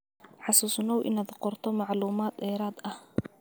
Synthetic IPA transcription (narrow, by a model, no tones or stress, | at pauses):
ħɑsuːsnɔwʔɪ̰nɐd̪qɔrt̪ʰɔmɑʕluːmaːd̪ɛːɾaːd̪ɐh